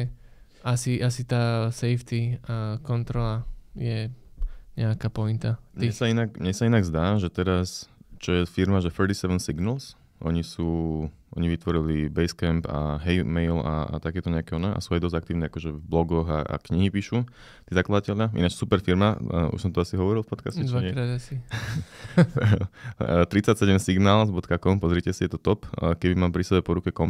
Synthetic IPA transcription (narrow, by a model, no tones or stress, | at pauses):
asiʔasit̪aːsɛjft̪ikɔnt̪ɾɔlajɛ | ɲɛakaːpɔint̪aɲiɛsainakɲɛsainaɡzd̪aːʒɛt̪ɛɾast͡ʃɔjɛfiɾmaʒɛfɛɾt̪isɛʋɛnsiɡnəls | ʔɔɲisuː | ɔɲiʋit̪ʋɔɾilibɛjskɛmpa̰ɦɛjmɛjla̰a̰t̪akɛːt̪ɔɲɛakɛɔnɛʔa̰suːajd̪ɔzɟakt̪iːʊnɛakɔʒɛvblɔɡɔɣaa̰kɲiɦipiːʃu | t̪iːzaklad̪acɛʎɪaʔḭnat͡ʃsupɛɾfiɾmaṵʃsɔmt̪ɔasiɦɔʋɔɾilˠfpɔt̪kascɛt͡ʃaasi | t̪ɾit͡sacsɛɟɛmsiɡnaːlzbɔt̪kakɔmpɔzɾiːcɛsijɛt̪ɔt̪ɔpːkɛbimaːmpɾisɛbɛpɔɾukɛkɔm